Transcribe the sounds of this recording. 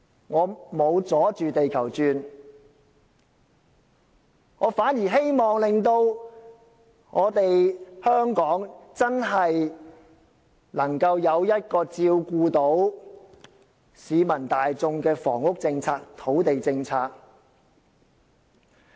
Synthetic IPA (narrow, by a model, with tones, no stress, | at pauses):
ŋɔː˨˧mo˨˧wt͡sɔː˨˥t͡ʃyː˨t̪e˨jkʰɐ˨˩wt͡ʃyː˨˧n | ŋɔː˨˧faː˨˥njiː˨˩ɦe˥jmɔː˨ŋlɪ˨ŋt̪o˧w | ŋɔː˨˧t̪e˨jhœː˥ŋkɔː˨˥ŋt͡sɐ˥nɦɐ˨j | nɐ˨˩ŋkɐ˧wjɐ˨˧wjɐ˥t̚kɔː˧t͡siː˧wkuː˧t̪o˨˥w | siː˨˧mɐ˨˩nt̪aː˨jt͡sʊ˧ŋkɛː˧fɔ̰ː˨˩ŋʊ˥k̚t͡sɪ˧ŋt͡sʰaː˧k̚t̪ʰo˨˥wt̪e˨jt͡sɪ˧ŋt͡sʰaː˧k̚